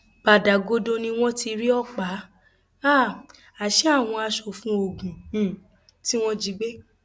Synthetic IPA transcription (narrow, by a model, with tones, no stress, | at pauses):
b̥a˨da˨ɡo˧do˧nĩ˦w̃ɔ̃˦ti˧ɾi˦ɔ˦k͡pa˨˦ | a˦˨ | a˨ʃe˦a˦˨w̃ɔ̃˧a˧ʃo˨fũ˦o˧˨ɡũ˨ | ti˦w̃ɔ̃˦d͡ʒi˧˦ɡ͡be˦